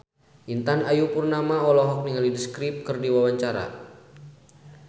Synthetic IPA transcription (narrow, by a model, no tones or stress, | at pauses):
ʔint̪anajupurnamaɔlɔɦɔk̚niŋalidəskɾip̚kɨrdiwawaɲt͡ʃaɾa̰